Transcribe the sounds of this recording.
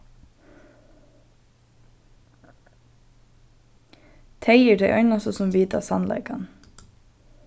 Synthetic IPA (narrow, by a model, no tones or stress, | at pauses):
t̪ʰeɪɛɹd̪eɪʔœʏnasɔsɔmʋiːt̪a̰sɑnlɑ̰ɪkɑn